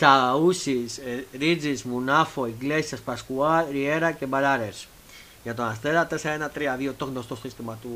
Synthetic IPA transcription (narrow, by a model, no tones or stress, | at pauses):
t̪ausisɾid͡ʒismunafoiɡlesjaspaskualɾieɾakebalaɾes | jat̪onast̪eðat̪esaenat̪ɾiaviot̪oknost̪ostist̪emat̪u